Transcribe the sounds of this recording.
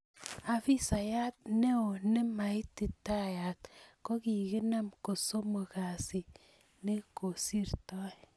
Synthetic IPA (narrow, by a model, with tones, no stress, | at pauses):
a˨fi˦sa˨ja˦t̚ne˦o˨ne˦ma˨i˦ti˨ta˦ja˨tko˦ki˨ki˦na˦mko˨so˦mo˨ka˨si˨ | ne˦ko˨si˦rtɔ˦